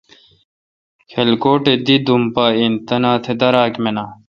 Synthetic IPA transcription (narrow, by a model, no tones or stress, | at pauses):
xʰelkoːʈed̪id̪umpaːint̪ɐnaːt̪ʰed̪ɐɾaːkmenaː